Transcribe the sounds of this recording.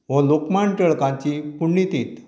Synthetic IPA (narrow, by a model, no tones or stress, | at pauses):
ʋɔ̃lokmãɳʈəɭkãt͡ɕipuɳːit̪iːt̪